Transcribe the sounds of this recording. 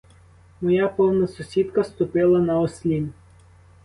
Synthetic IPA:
mɔjapɔwnɐsʊsʲid̪kɐst̪ʊpɪlˠɐnɐɔsʲlʲin

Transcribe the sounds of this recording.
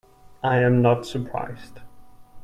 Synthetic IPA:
aɪɨ̃mnətsəpʰɹ̥a̰ɪz̥d̥

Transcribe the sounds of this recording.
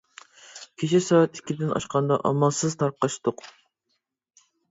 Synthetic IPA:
kʲʰet͡ʃʰisɑæt̪i̥kʲʰːɪd̪ɪnʔɑ̰ʃqʰɑnd̪ɑ̰ʔɑmɑlˠsɨzt̪ʰɑɾqːɑʃt̪ʊq

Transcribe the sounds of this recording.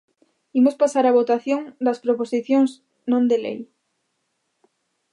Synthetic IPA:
imospasaɾaβ̞ot̪aθjõŋd̪ɐspɾoposiθjõŋs | nõnd̪elḛj

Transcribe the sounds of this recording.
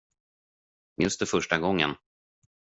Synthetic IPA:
jɵst̪ɛɾfœʂʈaɡɔŋːə̰n

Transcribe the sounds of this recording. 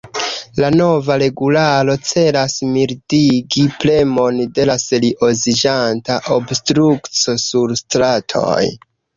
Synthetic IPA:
lano̞vaɾe̞ɡulalo̞t͡se̞lasmiɾdiɡiple̞monde̞laseliʔo̞zid͡ʒantaʔobstɾukt͡so̞suɾstɾatʰo̞̰j

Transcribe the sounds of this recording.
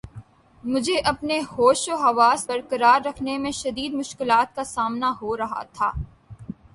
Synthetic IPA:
mʊd͡ʒʱeʔɐpnehoːʃoɦɐʋaːsbɐɾkɐɾaːɾːɐkʰnemẽʃɐd̪iːd̪mʊʃkɪlaːt̪̚kasaːmnaɦoɾɐɦa̰t̪ʰaː

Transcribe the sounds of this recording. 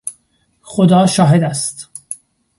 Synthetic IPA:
xod̪ɒːʃɒːɦe̞d̪æst̪

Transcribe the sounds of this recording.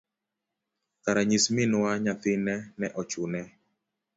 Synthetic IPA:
kaɾaɲismɪnwaɲaθɪnɛnɛʔɔt͡ʃʊnɛ

